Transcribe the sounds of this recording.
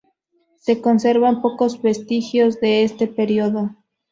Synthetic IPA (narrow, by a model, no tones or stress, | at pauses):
se̞ko̞nse̞ɾβampo̞ko̞zβe̞st̪ixjo̞zðe̞est̪e̞pe̞ɾjoðo